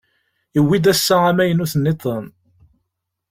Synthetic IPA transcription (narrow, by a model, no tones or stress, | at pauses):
əwːid̪æsːææmæjənuθənːit̪ˤːən